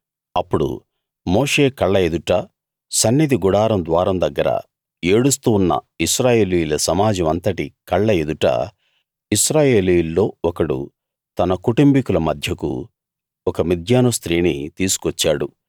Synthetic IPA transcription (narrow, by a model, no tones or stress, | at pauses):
ɐpːuɽṵ | moːʂe̞ːkɐɭːɐe̞d̪uʈɐ | sɐnːid̪iɡuɽaːɾɐmd̪ʋaːɾɐmd̪ɐɡːɐɾɐ̰ | e̞ːɽus̬t̪uːnːɐ̰ | iʃɾaːje̞ːlijulɐsɐmaːd͡ʒɐmɐnt̪ɐʈikɐɭːɐe̞d̪uʈɐ̰ | iʃɾaːje̞ːlijulːo̞ːɔkɐɽṵ | t̪ɐnɐkuʈumbikulɐmɐd̪ʱjɐkṵ | ɔkɐmid̪ʱjaːnust̪ɾiːnit̪iːsu̥kʋɐt͡ʃːaːɽu